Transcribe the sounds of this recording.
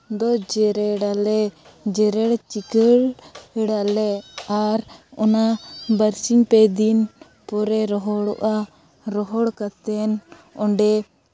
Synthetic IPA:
d̪ɔd͡ʒɛɾɛɽalɛ | d͡ʒɛɾɛɽt͡ʃikəɽɛɽalɛaɾɔnabəɾsiɲpɛd̪in | pɔɾɛɾɔɦɔɽɔʔa | ɾɔɦɔɽkat̪ɛn | ɔɳɖɛ

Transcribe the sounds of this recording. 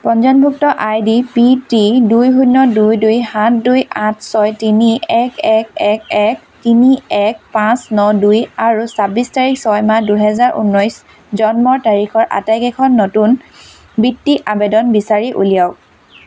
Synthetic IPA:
pɔnzɔnbʱuk̚tɔʔajdipitidujɦunɔdujdujhãtʰdujʔãtʰsɔjtiniɛkʰɛkɛk̚ɛk̚ | tiniɛk̚pãsnɔdujaɹusabistaɹiksɔjmaduɦɛzaɹṵnːɔjs | zɔnmɔɹtaɹikʰɔɹʔa̰tajkɛkʰɔnːɔtun | bitːiʔabedɔnbisaɹiʔṵlijaʊk̚

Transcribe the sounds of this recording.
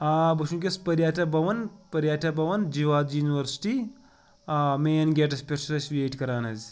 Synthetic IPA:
aːbɐʃũnk̬ʲespɐɾjaːt̪ʰʲɐbɐʋɐnpɐɾjaːt̪ʰɐbɐʋɐnd͡ʒiʋaːd̪juːniʋɐɾsi̥ʈi | ameːnɡʲeːʈ̬ɐspʲeɾsɐsʋʲeːʈkɐɾaːnɐzʲ

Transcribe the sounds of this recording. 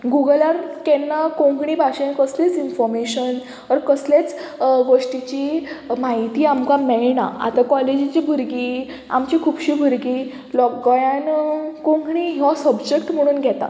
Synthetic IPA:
ɡuɡəlaɾkɛnːakõŋɡɳ̃iːbʱaɕẽnkəslet͡sinfɔɾmeɕən | əɾkəslet͡sɡoʂʈit͡ɕimaɦit̪iːamkamɛɭna̰a̰t̪akɔled͡ʑit͡ɕiːbʱuɾɡi | a̰mt͡ɕikʰuːbɕiːbʱuɾɡiː | lɔkːjankõŋɡɳiːɦɔsəbd͡ʑek̚ʈm̤əɽ̃uːnɡʱɛt̪a̰

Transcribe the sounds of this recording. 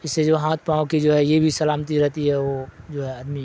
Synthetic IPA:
ɪsːed͡ʒoːɦãːt̪ʰpaːokid͡ʒoːɦɛjebʱisɐlaːmt̪iɾɛɦt̪iɦɛʋod͡ʒoːɦɛəd̪mi

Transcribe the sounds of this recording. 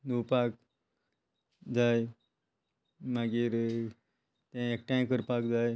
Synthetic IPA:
nupak̚ | d͡zaj | maɡiːɾ | t̪ãek̚ʈãkəɾpakd͡zaj

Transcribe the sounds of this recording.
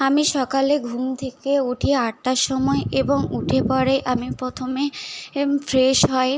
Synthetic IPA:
amiʃɔkaleɡʱumt̪ʰekeuʈʰieaʈʈaʃɔmɔeʔeboŋuʈʰepɔɽeʔamipɾot̪ʰome | fɾeʃɦɔe

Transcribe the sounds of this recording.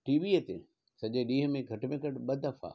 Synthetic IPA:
ʈiːʋiət̪ḛ | sɐʄeɗiːɦə̆mẽɡʱɐʈmẽkɐʈɓɐd̪ʱɐfa̰ː

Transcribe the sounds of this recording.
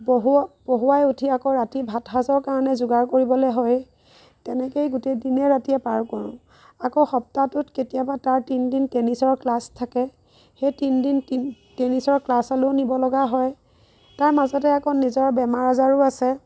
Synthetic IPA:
boɦub̥oɦuajutʰiakoɹatibʱatɦazɔɹkaɹɔnɛzʊɡaɹkoɹibɔlojɦɔj | tɛnɛkejɡutejdinɛɹatijɛpaɹkɔɹʊ̰̃ | akoxɔp̚tatʊtketijabataɹtindintenisɔɹklastʰːakɛ | xejtindintin | tenisɔɹklasalonibɔlɔɡaɦɔj | taɹmazɔtɛakɔnizɔɹbɛmaɹazaɹʊasɛ

